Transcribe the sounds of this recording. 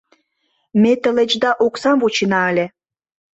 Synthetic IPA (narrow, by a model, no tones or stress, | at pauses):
met̪ə̆let͡ɕd̪ɑʔoksɑmvot͡ɕinɑəlʲe